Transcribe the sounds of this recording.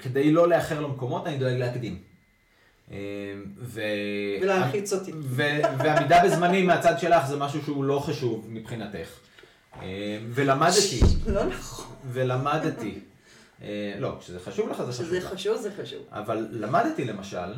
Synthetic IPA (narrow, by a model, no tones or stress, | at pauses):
ked̪ejlo̞le̞aχeʁlemko̞mo̞tanid̪o̞eɡleakd̪im | ʔemvevelaχit͡sot̪iveveamid̪abe̞zmanimːeat͡sad̪ʃe̞laχzemaʃuʃeulo̞χaʃuvmipχinate̞χ | emve̞lamad̪t̪ilonaχve̞lamad̪t̪i | ʔelo̞̰kʃezeχaʃuvleχazeaʃzeaʃuvzeχaʃuva̰valːamad̪t̪ile̞maʃa̰l